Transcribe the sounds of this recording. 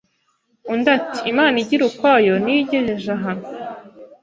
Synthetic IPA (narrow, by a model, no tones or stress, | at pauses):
undatiimaːniɟiɾukwajoniɟeʒeʒaɦan